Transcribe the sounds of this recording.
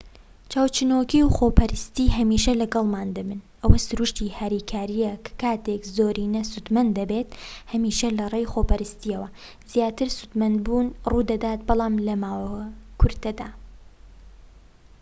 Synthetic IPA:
t͡ʃaːwt͡ʃɨnokiwxoːpɐɾɨst̪iːɦɐmiːʃɐlɐɡɐlˠmaːnd̪ɐmɨnʔɐwɐsɨɾuʃt̪ihaɾiːkʰaːɾijɛkʰkaːt̪ekzoːɾiːnɐsud̪mɐnd̪d̪ɐbeːt̪hɐmiːʃɐlɐrejxoːpɐɾɨst̪iɐwɐ | z̥jaːt̪ɨɾsut̪mɐnd̪buːnruːd̪ɐd̪aːt̪bɑlˠɑːmlɐmaːwɐkʰʊɾt̪ɐd̪aː

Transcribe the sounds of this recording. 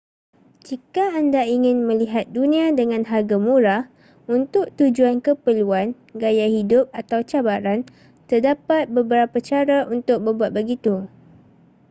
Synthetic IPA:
d͡ʒikaːndaiŋɪ̃nmə̃liɦat̪̚dunĩãdəŋãnɦarɡamũɾah | unt̪ʊk̚t̪ud͡ʒuankəpəluan | ɡajahidʊp̚at̪awt͡ʃabaɾan | t̪ərdapat̪̚bəbəɾapat͡ʃaɾaʔunt̪ʊk̚bəbuat̪̚bəɡit̪u

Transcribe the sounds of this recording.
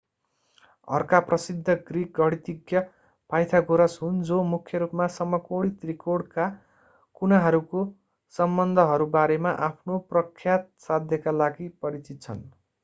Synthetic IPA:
ʌ̰rkaprʌsid̪ʱːʌɡrik̚ɡʌɽit̪iɡjʌ | pajt̪ʰaɡoɾʌsɦund͡zomukʰjʌɾupmasʌmʌkoɽit̪rikoɽka | kunaɦʌɾuko | sʌmbʌnd̪ʱʌɦʌɾubaɾemaʔapʰnoprʌkʰjat̪̚sad̪ʱjʌkalaɡipʌɾit͡sit̪̚t͡sʰʌ̰n

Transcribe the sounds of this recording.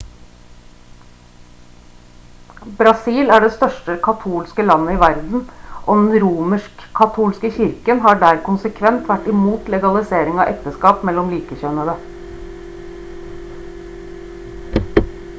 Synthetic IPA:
bɾɑsiːlæːɖeːst̪œʃʈəkʰɑt̪ʰuːlskəlɑnəiːʋæɾd̪n̩ʔoːd̪ɛnɾuːməʂkkʰːɑt̪ʰuːlskəçɪɾkənɦɑːɖæːɾkʊnsəkʰʋɛnt̪ʋæʈɪmuːt̪lɛɡɑlɪseːɾɪŋɑ̰ːʔɛkt̪əskɑːpmɛlɔmliːkəçœnəd̪ə

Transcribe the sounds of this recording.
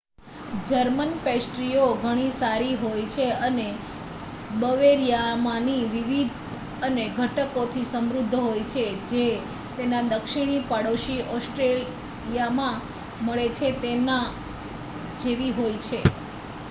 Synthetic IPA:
d͡ʒəɾmənpesʈɾioɡʱəɽ̃isaɾiɦojt͡ʃʰeəne | bəʋeɾjamãniʋiʋid̪ʱ | əneɡʱəʈəkot̪ʰisəmɾʊd̪ʱːɦojt͡ʃʰed͡ʒe | t̪enad̪əkʃiɽ̃ipəɽoʃiʔɔsʈɾel | ijamã | məɭet͡ʃʰet̪ena | d͡ʒeʋiɦojt͡ʃʰe

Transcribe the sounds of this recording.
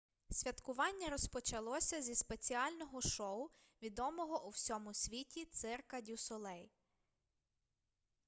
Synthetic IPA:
sʲʋʲɐt̪kʊʋɑnʲːɐɾɔspɔt͡ʃɐlˠɔsʲɐzʲispet͡sʲiɑlʲnɔɦɔʃɔʊ | ʋʲid̪ɔmɔɦɔʔuwsʲɔmʊsʲʋʲitʲit̪sɪrkɐdʲusʊlˠɛj

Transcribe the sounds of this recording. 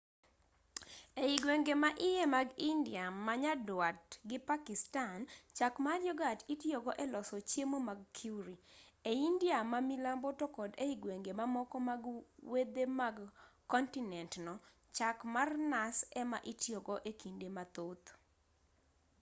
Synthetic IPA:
eiɡweŋɡemaʔɪjemaɡindɪamaɲadwatɡɪpakɪstant͡ʃakmarjɔɡatitjɔɡɔʔɛlɔsɔt͡ʃjemomaɡ̚kʰjuɾieindiamamilambɔtɔkɔdeiɡweŋɡemamɔkɔmaɡwed̪emaɡkɔntinɛntnɔ | t͡ʃakmarnasɛma̰ʔitjɔɡɔʔekindemat̪ot̪

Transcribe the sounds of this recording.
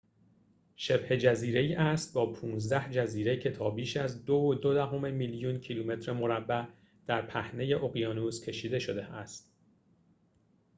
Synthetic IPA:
ʃe̞bhe̞d͡ʒæziːɾe̞iːʔæst̪̚bɒːpʰuːnzd̪æhd͡ʒæziːɾecʰe̞t̪ʰɒːbiːʃæzd̪ood̪od̪æɦomemiljuncʰiluːme̞t̪ʰɾemo̞ɾæbːæ | d̪̥æɾpʰæhne̞je̞ʔo̞ɣjɒːnuːscʲʰe̞ʃiːd̪e̞ʃo̞d̪e̞ʔæst̪̚

